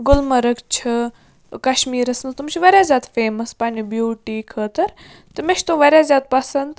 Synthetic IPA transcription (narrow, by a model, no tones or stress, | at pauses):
ɡʊlmɐɾɐkt͡ʃʰɨ | kɐʃmiːɾɐsnɐt̪umt͡ʃʰiʋɐɾʲjaːzʲjaːd̪feːmɐspaːnibjuːʈiːkʰəːt̪ɐɾ | t̪ɨmeʃt̪uʋɐɾʲjaːzʲjaːd̪̚pɐsɐnd̪